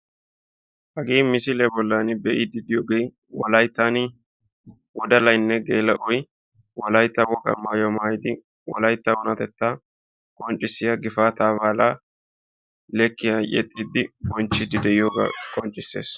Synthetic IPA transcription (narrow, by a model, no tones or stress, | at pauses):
hɐɡiːmɪsɪlɛbɔlːaːnɪbɛʔɪd̪ɪd̪ɪjoːɡej | wɔlɐjt̪ːaːn | wɔd̪ɐlɐjnːɛɡeːlɐʔɔj | wɔlɐjt̪ːɐwɔkʼɐ̰maːjɔmaːjɪd̪ɪ | wɔ̰lɐjt̪ːɐwɔnɐt̪ɛt̪ːaː | kʼɔnt͡ʃʼːɪsːɪjɐɡɪfaːt̪aːβaːlaː | lɛkːɪjɐʔɛ̰t̪ʼːiːd̪ːɪbɔnt͡ʃːɪd̪ɪd̪ɛʔɪjoːɡa̰kʼɔnt͡ʃʼːɪsːe̞̰ːs